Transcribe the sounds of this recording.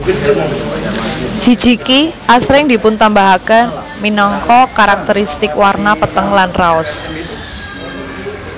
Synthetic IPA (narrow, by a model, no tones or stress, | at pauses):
hid̥d͡ʒ̥i̤kiʔasɾɪŋd̪i̤pʊnt̪ambaɦakan | minɔŋkɔkaɾak̚t̪əɾist̪ɪkwarnapət̪əŋlanraʊs